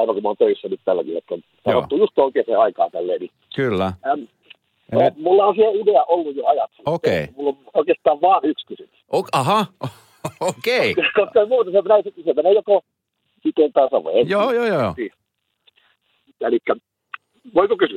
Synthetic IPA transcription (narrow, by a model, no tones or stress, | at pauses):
ɑiʋɑkumoːnt̪øisːænyt̪t̪ælːækilæk̪ːæon | sɑnot̪ːujust̪oˑikeːseːɑikɑ̰ːnt̪ælːḛːni | kylːæm | omulːɑonsieideæʔolːujjoɑjɑt̪siokeimulːonoˑikest̪ɑːʋʋɑːnykskysymy̥sokɑɦɑ | okeikekoskːɑmuːt̪ɑsemenæssemenæːjoko | sit̪et̪ɑːsɑʋo̰ieijoːjoːjosiː | elikːæ | ʋoikokysyæ